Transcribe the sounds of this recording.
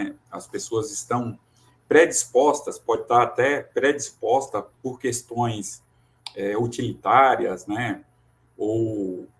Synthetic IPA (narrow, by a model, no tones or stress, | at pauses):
ɛɐspesoɐzɪst̪ɐ̃w̃ | pɾed͡ʒispɔst̪ɐspɔd͡ʒɪt̪aɾat̪ɛpɾed͡ʒispɔst̪ɐpoɾkest̪õj̃s | ɛut͡ʃilit̪aɾiɐznɛ | ow